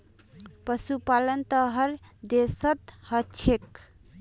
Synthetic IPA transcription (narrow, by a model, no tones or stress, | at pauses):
pəsupalənt̪əɦəɾd̪esət̪hət͡ʃʰek